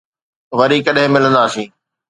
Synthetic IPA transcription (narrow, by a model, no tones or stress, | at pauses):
ʋɐɾikɐɗɦɪ̃mɪlə̃nd̪aːsĩː